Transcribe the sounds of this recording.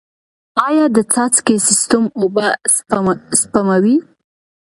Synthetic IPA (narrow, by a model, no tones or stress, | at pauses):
ɑjɑd̪ət͡sɑt͡skesɪst̪ʊmobasspamawi